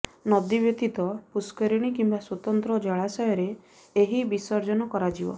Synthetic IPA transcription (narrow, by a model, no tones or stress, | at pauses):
nɔd̪ibjɔt̪it̪ɔpuskɔɾiɽ̃ikimbaswɔt̪ɔnt̪ɾɔd͡ʒɔɭasɔjɔɾe | eɦibisɔɾd͡ʒɔnɔkɔɾad͡ʒibɔ̰